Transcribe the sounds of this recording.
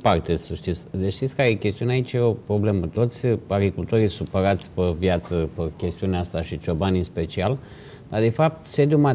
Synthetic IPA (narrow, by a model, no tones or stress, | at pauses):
part̪esəʃt̪it̪sʲd̪eʃt̪it̪sʲkaɾekʲe̞st̪iuneait͡ʃjeo̞pɾo̞ble̞mət̪o̞t̪sʲaɡɾikult̪o̞ɾijsupəɾat̪sʲpəvjat̪səpəkʲe̞st̪iuneast̪aʃit͡ʃobanʲɨnspe̞t͡ʃial | d̪ad̪e̞fap̚t̪se̞d̪juma